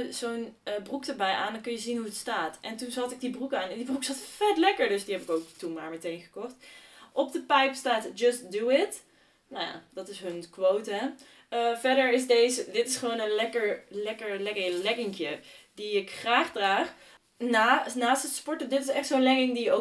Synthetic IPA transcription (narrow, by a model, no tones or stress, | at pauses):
z̥ownbrukdəɹbɛjʔa̰ːndɔnkɵnjəzinɦuətstaːtʔɛntunzɑtɪɡ̚dibrukaːnɪndibruksɑtfɛtlɛkəɹdɵsdiɦɛpɪkowktunmaːɹmɛtejnχə̥kɔχtʔɔp̚dəpɛjpstaːtd͡ʒʌst̚duɪt | naja̰d̥ɑtɪsɦɵnkʋowtə | vɛɹdəɹɪsdejzədɪtɪsχəʋownənlɛkəɹlɛkəɹlɛkəlɛɡɪŋkjədiɪkχraːχdraːχ | nanaːstətspɔɹtədɪtɪsɛχtsoːnlɛɡɪŋdio